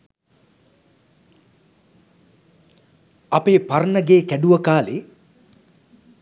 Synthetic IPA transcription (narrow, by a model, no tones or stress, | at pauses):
apeːparnəɡeːkæɖuʋəkaːleː